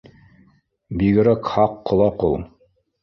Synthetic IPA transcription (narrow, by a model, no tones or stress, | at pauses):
biɡɘ̆ɾækhɑqːŏlˠɑqṵlˠ